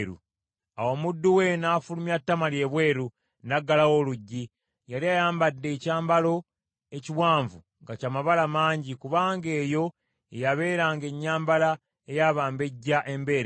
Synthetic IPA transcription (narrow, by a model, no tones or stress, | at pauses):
ɾṵ | awo̞ːmudːuwe̞naːfulumjatːamalje̞ːβwe̞ːɾu | naɡːalawo̞ːluɟːi | jaliajaːmbadːe̞caːmbalo̞ | e̞ciwaːɱvu | ŋɡacamaβalamaːɲɟikuβaːŋɡe̞ːjo̞ | ejaβe̞ːɾaːŋɡe̞ɲːaːmbala | ejaβaːmbe̞ɟːaʔe̞mbe̞ːɾe